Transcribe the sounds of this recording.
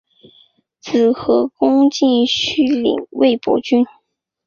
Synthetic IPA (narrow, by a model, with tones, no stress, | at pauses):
t͡sɹ̩˨˩xɤ˧˥kʊ˥ŋt͡ɕi˥˩nɕy˥lḭ˨˩˦ŋwe˥˩ɪpwɔ̰˧˥t͡ɕy˥n